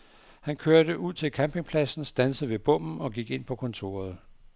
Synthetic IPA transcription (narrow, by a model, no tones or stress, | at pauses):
hænkʰøɐd̥əʔuð̰ˠt͡sʰe̝lkʰæmpʰe̝ŋpʰlæsn̩sd̥ænsəð̩ˠʋe̝b̥ɔ̽m̰n̩ɒ̽ɡ̥iɡ̥e̝n̰pʰɒ̽kʰɒ̽nt͡sʰo̝̰ːɐð̞̩ˠ